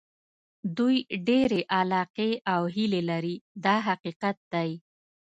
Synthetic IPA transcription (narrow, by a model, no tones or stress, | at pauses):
d̪ujɖeɾeʔalɑqeʔawɦilelaɾid̪ɑɦaqiqat̪̚d̪aj